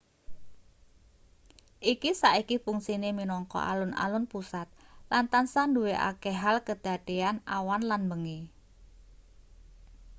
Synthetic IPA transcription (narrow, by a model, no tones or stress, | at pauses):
ʔikisaʔikifuŋsineminɔŋkɔ̰ʔa̰lʊna̰lʊnpusat̪̚lant̪ansanduweʔa̰kɛɦalkəd̪̥a̤d̪̥e̤anawanlanmbəŋi